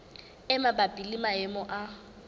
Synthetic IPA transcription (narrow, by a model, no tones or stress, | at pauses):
ɪmabapʼilimaɛmɔʔa